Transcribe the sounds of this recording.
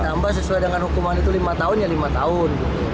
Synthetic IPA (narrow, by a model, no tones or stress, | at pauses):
t̪ambas̬əsuajdəŋanhukumanit̪ulimat̪aʊnjalimat̪aʊnɡit̪u